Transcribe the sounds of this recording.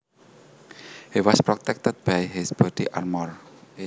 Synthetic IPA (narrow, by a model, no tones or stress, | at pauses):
hiwɔspɾɔt̪ɛk̚t̪əd̪̚b̥ajɦisb̥ɔdiʔarmɔr